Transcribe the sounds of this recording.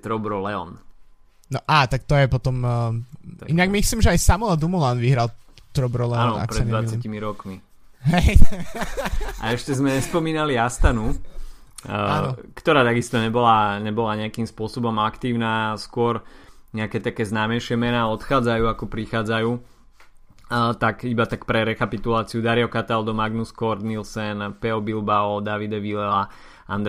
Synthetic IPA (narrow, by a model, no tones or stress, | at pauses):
t̪ɾɔbɾɔlɛɔ̰n | nɔʔaːt̪ak̚t̪ɔjɛpɔt̪ɔm | inaɡmisliːmʒɛajsamuad̪umulanʋiɦɾalt̪ɾɔbɾɔlɛnɔa̰kpɾsɛdɲɛʋaacimiɾɔkmi | ɦɛj | aɛʃcɛzmɛɲɛspɔmiːnaliast̪anu | aɔkt̪ɔɾaːt̪aɡist̪ɔɲɛbɔlaɲɛbɔlaɲɛakiːmspʊɔsɔbɔmakt̪iːʊnaːskʊɔɾɲɛakɛt̪akɛːznaːmɛɪʃɪɛmɛnaːɔt̪xaːd͡zajuːakɔpɾixaːd͡zajuː | t̪akibat̪ak̚pɾɛɾɛkapit̪ulaːt͡siud̪aɾiɔkat̪ald̪ɔmaɡnuskɔɾd̪nilsɛnpɛɔbilbaɔd̪aʋid̪ɛʋilɛla | a̰nd̪